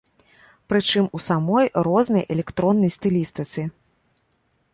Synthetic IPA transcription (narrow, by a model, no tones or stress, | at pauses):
pɾɨt͡ʂɨmusamɔjɾɔznɐjʔɛlʲɛkt̪ɾɔnːɐjst̪ɨlʲist̪ɨt̪sɨ